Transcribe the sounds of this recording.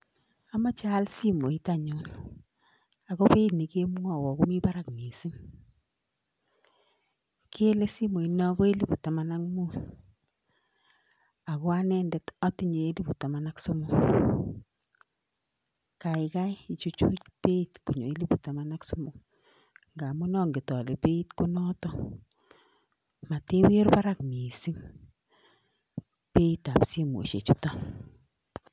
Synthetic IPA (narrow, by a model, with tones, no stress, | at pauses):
a˨ma˦t͡ʃa˦lsi˦mo˨i˦ta˦ɲo˨˦n | a˨kɔ˦pe˦itni˨ke˦m˦ŋɔ˨wɔ˨ku˦mi˦ba˦ɾa˨kme˨si˦n | ke˦e˦le˦si˦mo˨i˨nɔ˦ɡɔ˦e˦li˦bu˨ta˨ma˨na˦ŋmu˦n | a˨kɔ˦a˦nɛ˦ndɛ˨tɔ˦ti˦ɲe˨e˦li˦bu˨ta˨ma˨na˦ksu˦mo˦ | ka˨ɪ˨ka˦ɪ˦i˨t͡ʃu˦t͡ʃu˦t͡ʃpe˦itku˨ɲo˨e˦li˦bu˨ta˨ma˦na˦ksu˦mʊ˦ | ŋɡa˨mu˦nɔ˦ŋɡi˨tɔ˨le˨pe˦i˦tko˦nɔ˦tɔ˦ | ma˨te˦we˦ɾba˦ɾa˦km˨e˨si˦ŋ | pe˦i˦ta˨pse˦mo̰˨ʃḛ˨t͡ʃu˦ta˦